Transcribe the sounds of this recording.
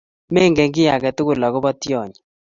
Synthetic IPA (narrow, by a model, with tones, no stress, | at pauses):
mɛ˦˨ŋɡɛ˨ŋɡɪ˦ja˨kɛ˨tʊ˦ɣʊ˨la˨ɣɔ˦bɔ˦tjɔ˨ɲ˨